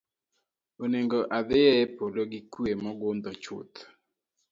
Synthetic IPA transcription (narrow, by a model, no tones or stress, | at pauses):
oneŋɡoʔad̪ɪɛɛpoloɡikwemɔɡʊnd̪ɔt͡ʃʊ̰t̪